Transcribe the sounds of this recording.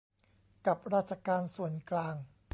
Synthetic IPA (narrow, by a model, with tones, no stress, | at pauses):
ka˨˩p̚ɾaː˥˩t̪̚t͡ɕʰa˧kaː˧nsu˨˩ənklaː˧ŋ